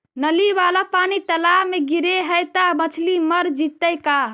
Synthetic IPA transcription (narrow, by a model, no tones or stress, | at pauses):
nəliʋalapanit̪əlaɦmeɡiɾeɦəjt̪abət͡ʃʰliməɾd͡ʒit̪ːəjka